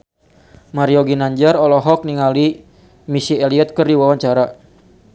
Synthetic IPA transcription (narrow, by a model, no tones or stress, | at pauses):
maɾiɔɡinaɲd͡ʒaɾɔlɔɦɔk̚niŋali | misiɛliɛt̪̚kərdiwawaɲt͡ʃaɾa